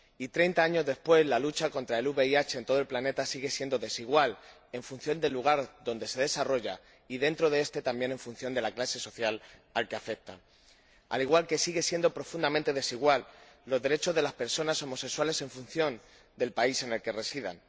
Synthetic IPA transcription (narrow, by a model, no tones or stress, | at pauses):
it̪ɾe̞jnt̪aaɲo̞zðe̞spwe̞zlalut͡ʃako̞nt̪ɾae̞luβe̞iat͡ʃe̞ent̪o̞ð̞olplane̞t̪asiɣ̞e̞sje̞nd̪oðe̞siɣ̞wal | e̞ɱfun̟θjo̞nd̪e̞lːuɣ̞aɾðo̞nd̪e̞se̞ð̞e̞saro̞ʝa̰ | iðe̞nt̪ɾoð̞e̞est̪e̞t̪ambje̞nẽ̞ɱfun̟θjo̞nd̪e̞laklase̞so̞θjalalke̞afe̞k̚t̪a̰ | a̰liɣwalke̞siɣe̞sjend̪o̞pɾo̞fund̪amẽnt̪e̞ð̞e̞siɣ̞walːo̞zðe̞ɾe̞t͡ʃo̞zðe̞laspe̞ɾso̞naso̞mo̞se̞kswale̞se̞ɱfun̟θjo̞n | d̪e̞lpaise̞ne̞lke̞re̞siða̰n